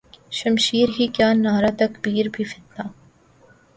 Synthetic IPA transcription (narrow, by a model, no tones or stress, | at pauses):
ʃɐmʃiːɾɦikjaːnnːaːɾat̪ɐkbiːɾbʱifɪt̪naː